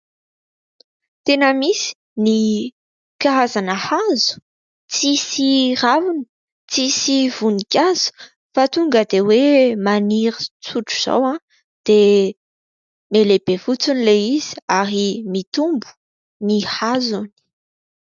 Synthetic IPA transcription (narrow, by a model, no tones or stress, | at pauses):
t̪enəmisi̥ | ni | kaɦazanəhazu̥ | t͡sisiravuni̥ | t͡sisiv̥unikʲaz̥u̥ | fat̪uŋɡəd̪ewemaniɾit͡suʈ͡ʂuz̥a̰wã | d̪̥e | melebevut͡sunileiz̥i̥aɾimit̪umbu̥ | nihazuni̥